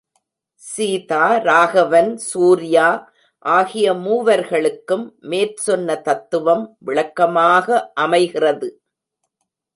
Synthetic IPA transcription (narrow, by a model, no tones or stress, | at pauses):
siːtaːɾaːɣɐʋɐnsuːɾɪjaː | ʔaːɣɪjɐmuːʋɐɾɣɐɭɯkːɯmːeːrsɔnːɐt̪ɐt̪ːɯʋɐmʋɪɭɐkːɐmaːɣɐʔɐmɐɪɣɪrɐðɯ